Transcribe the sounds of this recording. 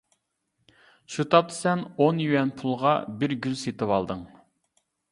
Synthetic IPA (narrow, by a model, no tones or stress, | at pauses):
ʃut̪ʰɑp̚t̪ʰɨ̥sɛnonjywɛnpʰulˠʁɑ̰bɪɾɡʲylset̪ɨwɑlˠd̪ɨŋ